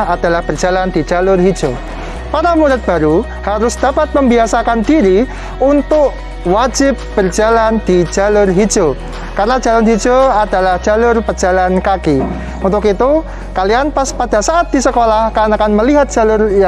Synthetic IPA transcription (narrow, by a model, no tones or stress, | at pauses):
ad̥alahb̥ərd͡ʒ̥aland̪i̥d͡ʒalʊrɦidd͡ʒo | paɾamuɾɪt̪̚b̥aɾu | haɾʊsd̥apat̪̚məmbiasakandiɾi | unt̪ʊk | wad͡ʒɪp̚b̥ərd͡ʒaland̪̥i̥d͡ʒalʊrɦid͡ʒo | karənḁd͡ʒalanɦid͡ʒoadalahd͡ʒ̥alʊrpəd͡ʒ̥alankaki | unt̪ʊkit̪u | kalianpaspad̥asaʔat̪̚d̥isəkolahkanakanməliɦat̪̚d̥ʒ̥alʊrja